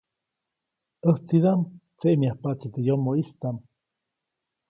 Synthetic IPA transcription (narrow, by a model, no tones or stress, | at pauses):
ʔəht͡siðamt͡seʔmiahpat͡sit̪ejomoist̪am